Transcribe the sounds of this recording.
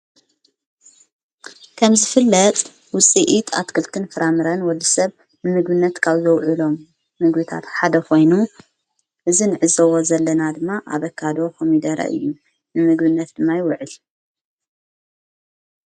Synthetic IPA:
kʰɐmzɨfɨlːɐt̪ʼ | wʊt͡sʼiʔit̪ʰʼa̰t̪kʰɨlt̪ʰɨnfɨɾamɨɾɐnwɔlːisɐβ | nɨmɨɡβɨnːɐt̪kʰaβzɐwʕulo̞mː | ɨɡbɨt̪ʰa̰t̪ħad̪ɐkʰo̞jnu | ʔɨzinɨʕɨzɐwozɐlːɐnad̪ɨmːaʔa̰βɐkʰːad̪o̞kʰomid̪ɐɾɐ̰ʔɨ̰jːu | nɨmɨɡβɨnːɐt̪̚d̪̥ɨmːajɪwʊʕɨl

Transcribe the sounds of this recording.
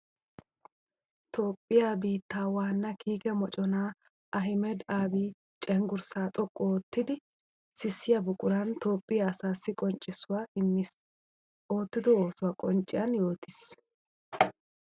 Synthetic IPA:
t̪oːpʼːɪjaːbiːt̪ːaːwaːnːɐkʰiːkɛmɔt͡ʃʼɔnaː | ʔɐɦɪmɛd̪aːbiː | t͡ʃʼɛŋɡʊɾsaːt̪ʼɔkʼːɔːt̪ːɪd̪ɪ | sɪsːɪjɐbʊkʼʊɾɐnt̪o̞ːpʼːɪjaːsaːsːɪkʼɔnt͡ʃʼːɪsʊwaːɪmːɪs | ʔo̞ːt̪ːɪd̪ɔoːsʊwaːkʼɔnt͡ʃʼːɪjɐnjo̞ːt̪ɪs

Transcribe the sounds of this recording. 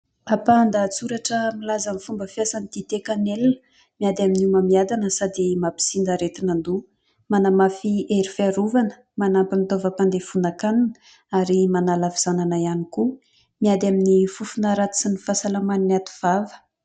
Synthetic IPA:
apand̪at͡suɾaʈ͡ʂəmilazanifumbəfiasanit̪it̪ekanelnə | miad̪aminumamiad̪anəsad̪imapi̥sind̪əɾet̪inand̪u | manamafiʔeɾifaɾuvanə̥ | manampint̪ovəpand̪efunakaninə | aɾimanalaviz̥ananaianiku | miad̪aminifufunaɾat̪u̥sinifasalamaninat̪u̥v̥avə̥

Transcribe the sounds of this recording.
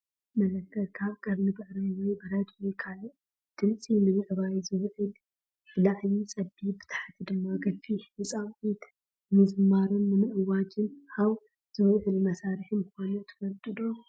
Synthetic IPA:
mɐlɐkʰːɐlkʰaβkʼɐβnɨbɨʕɾɨwɔjbɨɾɐd̪ukʰaloʔ | d̪̥ɨmt͡sʼinɨmɨʔβajzɨwʕɨl | fɨlaʕjit͡sʼɐbibɨt̪ʰḁħat̪ʰid̪ɨmːaɡɐfiɨsʼawʔit̪ | mɨzmaɾunːɨmɨʔɨwːad͡ʒɨnhaw | z̥ɨwʕɨlmɐsaɾɨħimɨkanut̪ʰɨ̥fɐlt̪ʼɨd̪o

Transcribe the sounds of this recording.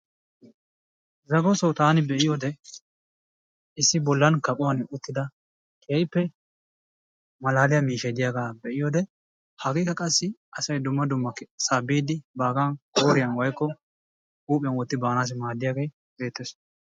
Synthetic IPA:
zɐɡɔsɐwt̪aːnɪbɛʔɪjoːd̪ɛ | ɪsːɪbɔlːɐnkɐpʼʊwɐnʊt̪ːɪd̪ɐ | kʰeːjpːɛ | mɐlaːlɪjɐmiːʃɛd̪ɪjaːɡaːbɛʔɪjoːd̪ɛ | hɐɡiːkɐkʼɐsːɪʔɐsɐjd̪ʊmːɐd̪ʊmːɐksaːbːiːd̪ɪbaːɡɐnkoːɾɪjɐnwɐjkːɔ | uːpʼɪjɐnwɔt̪ːɪbaːnaːs̬ɪmaːd̪ːɪjaːɡej | be̞ːt̪ːɛs

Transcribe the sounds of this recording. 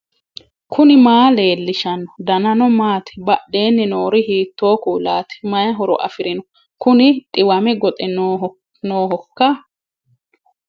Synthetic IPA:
kʰʊnɪmaːle̞ːlːɪʃɐnːɔd̪ɐnɐnɔmaːt̪ɪ̥bɐɗːe̞ːnːɪnoːɾɪhiːt̪ːoːkuːlaːt̪ɪ̥mɐjɐɦɔɾɔ̰ʔɐ̰fɪɾɪnɔ | kʊnɪt̪ʼɪwɐmɛɡɔt̪ʼɛnː | noːɦɔkːɐ

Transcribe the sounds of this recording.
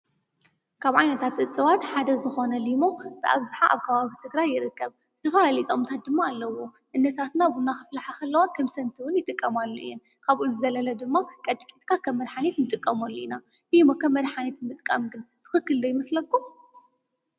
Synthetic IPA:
kʰaβʕajnɐt̪ʰat̪ʔɨt͡sʼːɨwat̪ħad̪ɐzɨxo̞nɐlimo̞b̥ɨʔa̰βzɨħaʔa̰βkʰɐβaβit̪ʰɨɡɾajːɪɾɨkːɐβ | t̪ʰɐfalit̪ʼo̞mt̪ʰat̪̚d̪ɨmːaːlːɐwo̞ | ʔɨnːɐt̪ʰat̪nabunːaxɨflaħaxɐlːɐwat̪kʰɐmsɐnt̪ʰiwʊnjɪt̪ʼɨkʼːɐmalːuʔɨjːɛn | kʰaβʔuzɨzɐlɐlɐd̪ɨmːakʼɐt̪ʼkʼit̪ʼkʰakʰɐmːɐd̪ħanet̪nɨt̪ʼɨkʼːɐmolːoina | limo̞kʰɐmːɐd̪ħanet̪nɨt̪ʼkʼɐmɡɨnt̪ʰɨ̥xɨkːɨld̪ɐjɪmɐslɐkːum

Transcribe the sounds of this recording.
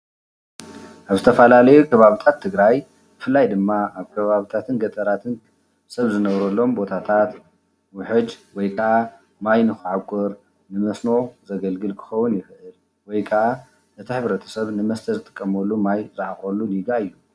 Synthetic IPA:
ʔaβzɨt̪ʰɐfɐlalɐjukʰɐβaβit̪ʰat̪ʰːɨɡɾaj | b̥ɨfɨlːajd̪ɨmːaaβkʰɐβaβit̪ʰat̪ʰɨnɡɐt̪ʼɐɾat̪ʰɨn | sɐβzɨnɐβɾɐlːo̞mbo̞t̪ʰat̪ʰat̪ | wʊħɨd͡ʒwɔjkʼʰaʔa | majnɨxʕakʷʰʼɔɾ | nɨmɐsnozɐɡɐlɡɨlkʰɨ̥xɐwːʊnjɪxʔɨl | wɔjkʰʼɐʕa | ɨt̪ʰiħɨβɾɐt̪ʰɐ̥sɐβnɨmɐst̪ʰɐzɨt̪ʼɨ̥kʼːɐmɐlːumajzaʕaχʼɐlːuniɡaɨjːu

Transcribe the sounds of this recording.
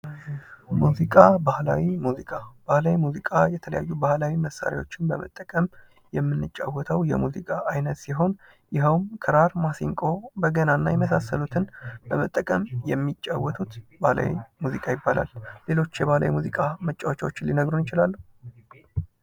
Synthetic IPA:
muzikʼabahla̰wimuzikʼab̥ahlawimuzikʼajɛt̪ʰələ̰jajːubahlawiməsːa̰ɾja̰wo̞t͡ʃːɪnbəmə̰t̪ʼːəkʼəm | jɛmːɨnːɨt͡ʃʼːawːɔt̪ʰəwjɛ̰muzikʼaʔːjnət̪siɦo̞n | jɪɦəwmkʰəɾaɾmasiŋkʼo̞bəɡənanːajɛməsasːəlut̪ʰɨnbəmət̪ʼːəkʼəmjɛmːit͡ʃʼːawːɔt̪ʰut̪bahla̰wḭmuzikʼajɪbːalʔa̰lːe̞lo̞t͡ʃːjɛβahla̰wjmuzikʼamət͡ʃʼːawot͡ʃːwot͡ʃːɪlinəɡɾunjɪt͡ʃɪlalːu

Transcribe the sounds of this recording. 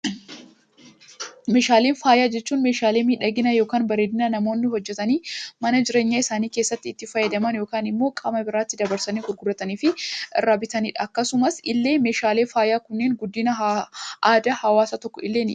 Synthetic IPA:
me̞ːʃaːleːnfaːjaːd͡ʒɛt͡ʃːuːnmeːʃaːle̞ːmiːᶑɐɡɪnɐjo̞ːkaːnbɐɾeːd̪ɪnɐnɐmo̞ːnːɪɦɔd͡ʒːɛt̪ɐniːmɐnɐd͡ʒɪɾeːɲːaːɪsaːniːkeːsːɐt̪ːɪːt̪ːɪfɐjːɐd̪ɐmɐnjo̞ːkaːnɪmːo̞ːkʼɐmɐbɪɾaːt̪ːɪd̪ɐbɐɾsɐniːɡʊɾɡʊɾːɐt̪ɐniːfɪʔɪrːaːbɪt̪ɐniːᶑɐkːɐsʊmɐsɪlːe̞ːme̞ːʃaːleːfaːjaːkʊnːeːnɡʊd̪ːɪnɐaːd̪ɐhɐwaːsɐt̪ɔkːɔɪlːeːnɪ̰

